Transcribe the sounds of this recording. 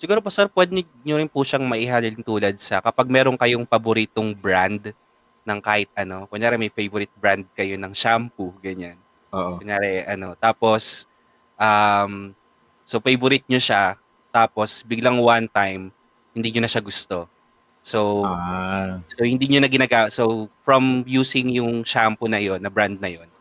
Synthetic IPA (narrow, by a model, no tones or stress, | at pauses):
sɪɡuːɾop̬osɛɾpwɛd̪ | ɲoɾɪnpʊʃaŋmɐʔɪhaːlɪlɪŋt̪uːlɐd̪̚sɐkɐpaɡ̚mɛːɾo̞ŋkɐjoŋpɐboɾiːt̪oŋbɾand̪ | nɐŋkaːhɪt̪̚ɐno̞kʊŋɲaːɾɛmɐjfejvʊɾɪt̪̚bɾand̪̚kɐjo̞nɐŋʃampuɡɐɲan | oːʔoʊŋɲaːɾɛʔɐno̞t̪aːpo̞s | ʔam | sofejvʊɾɪt̪̚ɲoʃa | t̪aːpo̞sbɪɡlaŋwant̪ajm | hɪnd̪iːɲonɐʃaɡʊst̪o̞ | sowa | sowhɪnd̪iːɲonɐɡɪnaːɡaːsofɹɐmjuːsɪŋjʊŋʃampʊnɐjo̞nːɐbɾand̪̚nɐjo̞n